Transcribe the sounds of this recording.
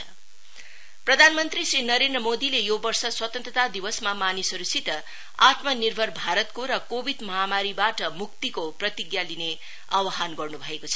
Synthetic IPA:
ʌ | prʌd̪ʱanmʌnt̪risrinʌɾend̪rʌmod̪ilejobʌrsʌswʌt̪ʌ̃nt̪rʌt̪ad̪ibʌsmamanisʌɾusit̪ʌ | at̪mʌnirbʱʌrbʱaɾʌt̪koɾʌkobʱid̪mʌɦamaɾibaʈʌmuk̚t̪ikoprʌt̪iɡjaline | awaɦanɡʌrnubʱʌekot͡sʰʌ̥

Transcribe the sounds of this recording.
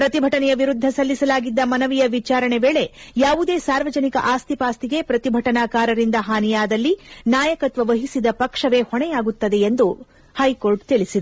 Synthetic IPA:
pɾɐt̪ibʱɐʈɐnɛjɐʋiɾud̪ʱːɐsɐlːisɐlaːɡid̪ːɐmɐnɐʋijɐʋit͡ʃaːɾɐɳeʋeːɭe̞jaːʋud̪e̞ːsaːɾʋɐd͡ʒɐnikɐ̰ʔaːst̪ipaːst̪iɡe̞pɾɐt̪ibʱɐʈɐnaːkaːɾɐɾind̪ɐɦaːnijaːd̪ɐlːinaːjɐkɐt̪ʋɐʋɐɦisid̪ɐpɐkʂɐʋe̞ːhɔɳɛjaːɡut̪ːɐd̪e̞ːnd̪u | hɐjko̞ːɾɖt̪iɭisid̪ɐ

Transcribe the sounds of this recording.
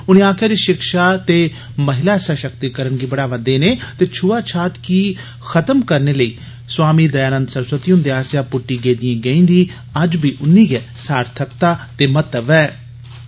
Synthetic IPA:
ʊnĩːaːkʰjaːd͡ʒeʃɪkʃaːt̪eː | məɦɪlaːɛsaːʃəkt̪iːkəɾənɡiːbəɽaːʋəd̪eːneːt̪eːt͡ʃʰʊʋaːt͡ʃʰaːt̪kiː | xət̪əmkəɾneːləiː | swaːmiːd̪əjaːnə̃nd̪səɾsət̪iɦʊnd̪eːaːsjaːpʊʈːiːɡeːd̪ɪjẽːɡəĩːnd̪ĩː | əd͡ʒbiːʔʊnːĩːɡɛːsaːɾt̪ʰəkt̪aːt̪eːmət̪əbɛː

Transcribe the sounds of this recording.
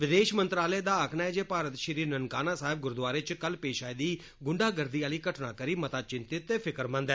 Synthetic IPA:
ʋɪd̪eːʃmənt̪ɾaːləeːd̪aːəkʰnaːɛːd͡ʒeːpaːɾət̪ʃɪɾiːnənkaːnaːsaːɦɪb̚ɡʊɾd̪ʊaːɾet͡ʃkəlpeːʃaːid̪iː | ɡʊɳɖaːɡəɾd̪iːaːliːkəʈnaːkəɾiːmət̪aːt͡ʃɪ̃nt̪ɪt̪ːeːpʰɪkəɾmə̃nd̪ɛː

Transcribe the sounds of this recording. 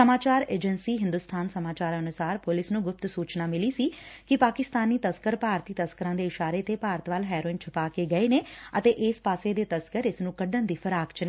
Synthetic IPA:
səmaːt͡ʃaːɾeːd͡ʒənsiːɦɪ̃nd̪ʊst̪ʰaːnsəmaːt͡ʃaːɾənʊsaːɾpʊlɪsnũːɡʊp̚t̪suːt͡ʃnaːmɪliːsiːkɪpaːkɪst̪aːniːt̪əskəɾpaːɾt̪iːt̪əskəɾãːd̪eːɪʃaːɾeːt̪eːpaːɾt̪ʋaːlɦɛːɾoːɪnt͡ʃʰəpaːkeːɡəeːneːət̪eːʔɪːspaːseːd̪eːt̪əskəɾɪsnũːkəɖənd̪iːpʰəɾaːkt͡ʃneː

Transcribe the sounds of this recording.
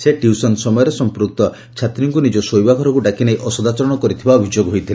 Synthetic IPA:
seʈiusɔnsɔmɔjɔɾesɔmpɾuk̚t̪ɔ | t͡ʃʰat̪ɾjiŋkunid͡ʒɔsojbaɡʱɔɾɔkuɖakinejʔɔsɔd̪at͡ʃɔɾɔɽ̃ɔkɔɾit̪ʰibaɔbʱid͡ʒoɡɦojt̪ʰile

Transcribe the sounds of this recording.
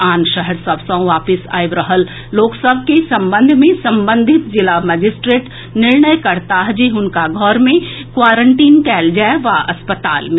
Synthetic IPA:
aːnʃəɦəɾsɐbsãõʋaːpɪsa̰ːiʋɾəɦəlː | oːksəbʱkesɐ̃mbə̃nd̪ʱmẽsɐ̃mbə̃nd̪ʱɪt̪̚d͡ʒɪlamɛd͡ʒɪsʈɾeːʈ | nɪɾɳəjkɐɾt̪aɦd͡ʒiʊnkaɡʱɔːɾmẽkwaːɾə̃ɳʈiːnkɛːld͡ʒaːeʋaɐspət̪a̰ːlmẽ

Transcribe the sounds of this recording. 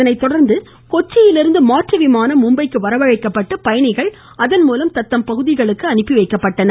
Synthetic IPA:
ɐnɐɪt̪ːɔɽɐɾnd̪ɯ | kɔt͡ʃːɪjɪlɪɾɯnd̪ɯmaːʈrɐʋɪmaːnɐmʊmbɐɪkːɯʋɐɾɐʋɐɻɐɪkːɐpːɐʈːɯpɐjɐɳɪɣɐɭ | ɐðɐnmuːlɐmt̪ɐt̪ːɐmpɐɣɯðɪɣɐɭɯkːɯɐnɪpːɪʋɐɪkːɐpːɐʈːɐnɐ

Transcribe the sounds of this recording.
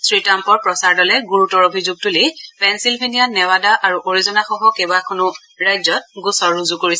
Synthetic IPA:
sɹitampɔɹpɹɔsaɹdɔlɛɡuɹutɔɹobʱizuɡ̚tulipɛnsilbʱenijanɛwadaʔaɹuʔoɹizɔnaxɔɦɔkebakʰɔnʊ | ɹajzɔt̚ɡusɔɹːuzukoɹisɛ

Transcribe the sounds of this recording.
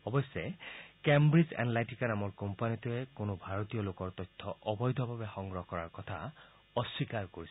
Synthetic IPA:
ɔbɔsekɛmbɹizɛ̰nlajtikanamɔɹkɔmpanitʊɛkonobʱaɹot̪ijɔlokɔɹt̪ɔjt̪ʰːɔʔɔbɔjd̪ʱɔbʱabɛxɔŋɡɹɔɦɔkɔɹa̰ɹkɔt̪ʰa̰ | ɔswikaɹkoɹis

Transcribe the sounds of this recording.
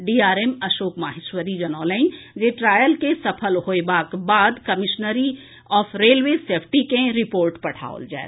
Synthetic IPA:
ɖiːaːɾeːmɐʃoːkmaːɦɪʃwəɾid͡ʒɐnɔːləĩnd͡ʒeːʈɾaːjəlkesɐpʰəlɦoebaːkbaːd̪kɐmɪʃnəɾi | ɔːfʰɾeːlweseːpʰʈikẽɾɪpoːɾʈpɐʈʰa̰ːo̰ld͡ʒa̰ːḛ

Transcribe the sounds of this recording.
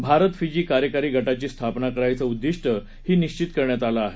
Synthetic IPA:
bʱaɾət̪fid͡ʑiːkaɾjəkaɾiːɡʱəʈat͡ɕiːst̪ʰapnakəɾajt͡səud̪ːiʂʈə | hiːniɕt͡ɕit̪kəɾɳjat̪alaːɦe

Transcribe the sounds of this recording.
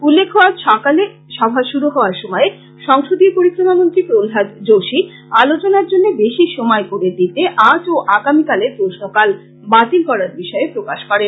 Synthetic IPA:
ulːekʰɦɔad͡ʑʃɔkale | ʃɔbʱaʃuɾuɦɔoaɾʃomɔe | ʃɔŋʃod̪ʱipoɾikːɾonamont̪ɾikɾolɦad̪d͡ʑoʃi | alot͡ɕonaɾd͡ʑonːebeʃiʃomɔekoɾed̪it̪eʔat͡ɕoʔaɡamikaleɾpɾosnokal | bat̪ilkɔɾaɾbiʃɔepɾokaʃkɔɾen

